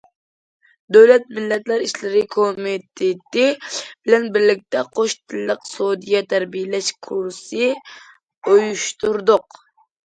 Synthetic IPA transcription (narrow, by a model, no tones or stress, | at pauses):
d̪øwlɛt̪̚mɪlːɛt̪læɾiʃlɪɾɪkʰomɪt̪ʰet̪ɪbɪlɛnbɪɾlɪk̚ʲt̪ɛqʰoʃt̪ʰɪlːəqsod̪ijɛt̪ʰæɾbijelɛʃkʰuɾsɨ | ojuʃt̪uɾd̪ʊq